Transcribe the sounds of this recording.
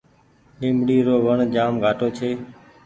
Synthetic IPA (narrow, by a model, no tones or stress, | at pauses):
nɪ̃ːmɽiːɾoːʋəɳd͡ʒaːmɡʱaːʈoːt͡ʃʰeː